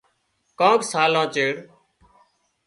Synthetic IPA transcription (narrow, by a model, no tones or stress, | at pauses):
kãːksaːlãːt͡ʃeːɾ